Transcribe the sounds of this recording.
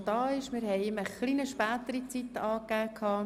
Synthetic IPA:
d̥ɑːɪʃmɪɾhɛɪɪməχliːnəʃpæːt̪əɾit͡sit̪ɑːkːæːkʰhɑː

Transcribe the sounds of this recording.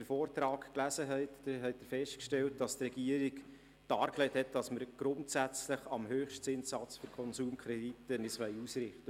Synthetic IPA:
əɾfoːrtɾɑːkklæsəɦɛɪtd̥əɾɦɛɪt̚dəɾfɛʃtkʃtɛlt̚d̥ɑstrɛɡ̥iəɾik | d̥ɑːɾklɛɪthɛt̚d̥ɑsməɾɡ̥ɾʊntsæt͡sləχɑmɦøːχʃtsɪnsːɑt͡sfyɾkʰɔnsuːmkʰχɾɛditənɪsʋɛɪusɾɪχtə

